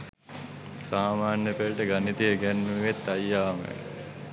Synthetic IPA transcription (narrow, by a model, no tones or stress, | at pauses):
saːmaːnjəpelʈəɡanit̪iəɡænːuiʋet̪ːajːaːmə̰